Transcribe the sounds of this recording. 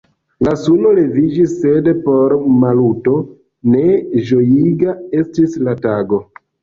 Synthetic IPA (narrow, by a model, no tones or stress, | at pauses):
lasuno̞le̞vid͡ʒisːe̞dpo̞ɾmaluto̞ | ne̞ʒo̞jiɡae̞stislataɡo̞